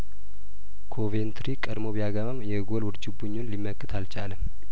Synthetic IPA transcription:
kʰo̞vent̪ʰɾikʼədmo̞βijaɡamamjɛɡolwʊɾd͡ʒɪbuɲːonlimːəkːɨt̪ʰalt͡ʃaləm

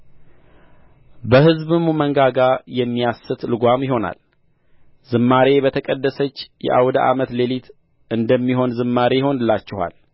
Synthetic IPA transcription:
bəhɨzβɨmuməŋɡaɡajɛmːijasɨt̪lɨɡʷamjɪho̞na̰l | z̥ɨmːaɾe̞bət̪ʰəkʼəd̪ːəsət͡ʃːjɛ̰ʔa̰wd̪a̰ʔamət̪le̞lit̪ | ʔɨnd̪əmːiɦo̞nzɨmːaɾejho̞nɨlːat͡ʃːɪha̰l

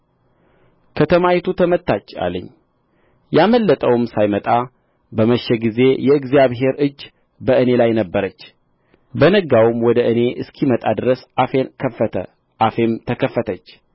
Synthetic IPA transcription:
kʰət̪ʰəmajit̪ʰut̪ʰəmət̪ʰːat͡ʃːa̰ləɲː | jaməlːət̪ʼəwɨmsajmət̪ʼa | bəməʃːɛɡize̞jɛɨɡzjaβɦe̞ɾɨd͡ʒː | bəʔɨne̞lajnəbːəɾət͡ʃː | bənəɡawɨmwɔd̪əʔɨne̞ʔɨskʰimət̪ʼad̪ɨɾəsəəə̰ | afemt̪ʰəkʰəfːət̪ʰət͡ʃː

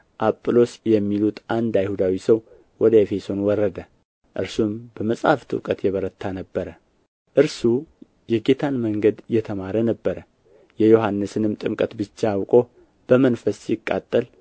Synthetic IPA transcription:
ʔapʼːlo̞sjɛmːilut̪and̪ajhud̪awisəw | wɔd̪əefe̞so̞nwɔrːəd̪ə | ʔɨ̰ɾsumb̥əməsʼaft̪ʰʼɨ̰wkʼət̪jɛβəɾət̪ʰːanəbːəɾə | ʔɨɾsu | jɛɡe̞t̪ʰanməŋɡəd̪jɛt̪ʰəmaɾənəbːəɾə | jɛjo̞ɦanːɨsɨnɨmt̪ʼɨmkʼət̪bɨt͡ʃːaːwkʼo̞ | b̥əmənfəsjɪkʼːa̰t̪ʼːəl

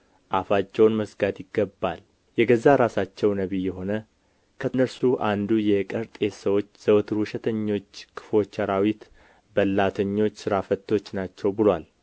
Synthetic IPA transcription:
ʔafat͡ʃːɛwnməsɡad̪jɪɡːəbːal | jɛɡəzːaɾasat͡ʃːɛwnəβijɛɦo̞nə | kʰənəɾsuʔand̪ujɛkʼəɾt̪ʼe̞t̪səwo̞t͡ʃːz̥əwt̪ʰɾuʃɛt̪ʰəɲːo̞t͡ʃːkʰɨ̥fo̞t͡ʃːaɾawit̪ | bəlːat̪ʰəɲːo̞t͡ʃːsɨɾafət̪ʰːo̞t͡ʃːnat͡ʃːɛwbɨlwal

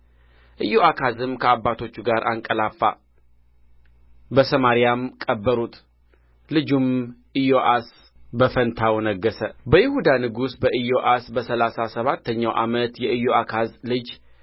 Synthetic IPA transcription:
ʔɨjoʔakʰazɨmkʰəabːat̪ʰo̞t͡ʃːuɡaɾʔaŋkʼəlafːa̰ | bəsəmaɾijamkʼəbːəɾut̪ | lɨd͡ʒumʔɨjoʔas | bəfənt̪ʰawnəɡːəsəbəjɪhud̪anɨɡusbəʔɨjoʔasbəsəlasasəβat̪ːəɲːawʔa̰mət̪jɛʔɨjoʔakʰazlɨd͡ʒ

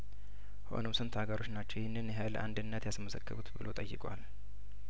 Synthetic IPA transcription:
ho̞̰nomsɨnt̪ʰhaɡəɾo̞t͡ʃnat͡ʃːɛwjɛhɪnːɨnjɛɦalə̰ʔand̪ɨnːət̪jasməsəkːɨ̰but̪bɨlot̪ʼəjːɪkʼwal

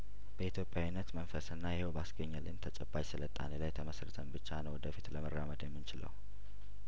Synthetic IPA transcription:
b̥əit̪ʰjo̞pʼːjawinːət̪mənfəsɨnːajɛhewbasɡəɲːəlɨnt̪ʰət͡ʃʼɛbːat͡ʃsɨlət̪ʼa̰nilajt̪ʰəməsɾət̪ʰəmbɨt͡ʃːanəwɔd̪əfit̪ləmərːaməd̪jemːɨnt͡ʃɪlə̰w

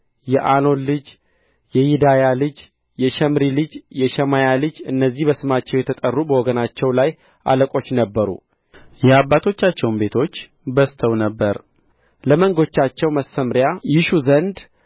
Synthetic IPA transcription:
jɛʔano̞nlɨd͡ʒ | jɛjɪd̪ajalɨd͡ʒ | jɛʃɛmɾilɨd͡ʒjɛʃɛmajalɨd͡ʒɨnːəzːihbəsɨmat͡ʃːɛwjɛt̪ʰət̪ʼərːubəwɔɡənat͡ʃːɛwlaj | ʔa̰ləkʼo̞t͡ʃːnəbːəɾṵ | jɛabːat̪ʰo̞t͡ʃːat͡ʃːɛwnbe̞t̪ʰo̞t͡ʃː | bəst̪ʰəwnəbːəɾ | ləməŋɡo̞t͡ʃːat͡ʃːɛwməsəmɾjajɪʃuzənd̪

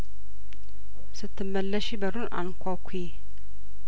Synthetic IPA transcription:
sɨt̪ʰːɨmːəlːəʃibɐɾunʔa̰nkʷʰakʷʰːi

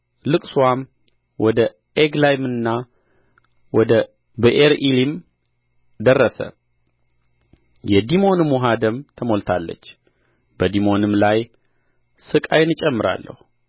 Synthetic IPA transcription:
lɨkʼsuwam | wɔd̪ə | eɡlajmɨnːa | wɔd̪ə | bəʔeɾʔilim | d̪ərːəsə̰ | jɛd̪imo̞nmuɦad̪əmt̪ʰəmolt̪ʰalːə̰t͡ʃː | bəd̪imo̞nɨmlaj | sɨkʼajnɨt͡ʃʼɛmːɨɾa̰lːə̰hu

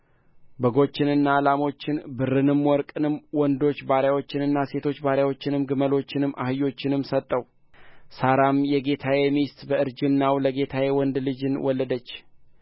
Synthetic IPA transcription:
bəɡo̞t͡ʃːɪnɨnːalamo̞t͡ʃːɪnbɨɾːɨnɨmwɔɾkʼɨnɨmwɔnd̪o̞t͡ʃːbaɾjawo̞t͡ʃːɪnɨnːase̞t̪ʰo̞t͡ʃːbaɾjawo̞t͡ʃːɪnɨmɡɨməlo̞t͡ʃːɪnɨmʔa̰hɨjːo̞t͡ʃːɪnɨmsət̪ʼːəw | saɾamjɛɡe̞t̪ʰawemist̪bəɨɾd͡ʒɨnːawləɡe̞t̪ʰawjewɔnd̪lɨd͡ʒɨnwɔlːəd̪ət͡ʃː

